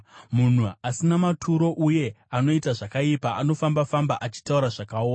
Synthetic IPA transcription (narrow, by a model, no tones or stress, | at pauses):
mun̤uasinamatʰuɾo̞ʔuje̞ | ano̞itaʐakaipaʔano̞fambafambaʔat͡ʃi̥tauɾaʐakaoːna